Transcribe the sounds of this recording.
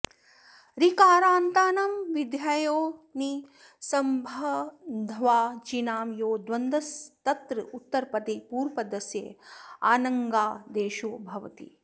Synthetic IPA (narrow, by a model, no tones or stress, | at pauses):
ɾikaːɾaːnt̪aːnɐmʋid̪jɐjoːni | sɐmbʱɐd̪ʱʋaːt͡ʃinaːmjoːd̪ʋɐnd̪ɐst̪ɐt̪ɾɨut̪ːɐɾpɐt̪eːpuːɾpɐd̪ɐsjḛa̰ːnɐŋɡaːd̪eːʃoːbʱɐʋɐt̪ḭ